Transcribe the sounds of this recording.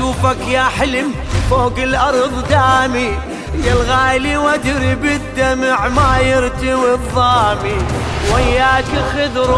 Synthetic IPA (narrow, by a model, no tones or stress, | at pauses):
uːfakjaːħɪlɪmfoːɡɪlʔɑɾˤðˤd̪aːmi | jɪlɣaːliwad̪ɾibɪd̪ːamɪʕmaːjɪɾt̪iwɪðˤːɑːmiwajːaːkxɪd̪ɾ